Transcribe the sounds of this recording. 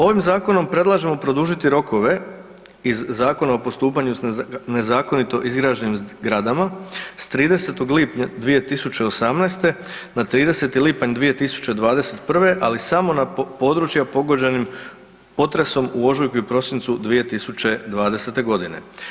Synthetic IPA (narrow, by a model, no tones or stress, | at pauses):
o̞ʋimzaːko̞no̞mpɾe̞d̪lˠaʒe̞mo̞pɾo̞d̪uʒit̪iɾo̞ko̞ʋe̞ | izːaːko̞naopo̞st̪uːpaɲusne̞zaːko̞nit̪o̞ʔizɡɾaːʒenimɡɾad̪amast̪ɾiːd̪e̞se̞t̪oɡlipɲad̪ʋije̞t̪isut͡ɕeosamnast̪e̞ | nat̪ɾiːd̪e̞se̞t̪ilipaɲd̪ʋije̞t̪isu̥t͡ɕe̞d̪ʋaːd̪e̞se̞t̪pr̩ʋe̞ʔalisamo̞napo̞ːd̪ɾut͡ʃjapo̞ɡo̞d͡ʑe̞nim | po̞t̪ɾe̞so̞muo̞ʒojkuiupɾo̞sint̪sud̪ʋije̞t̪isut͡ɕe̞d̪ʋaːd̪e̞se̞t̪e̞ɡo̞d̪ine̞̰